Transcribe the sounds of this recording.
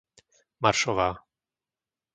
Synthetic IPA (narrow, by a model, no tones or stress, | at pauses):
maɾʃɔʋaː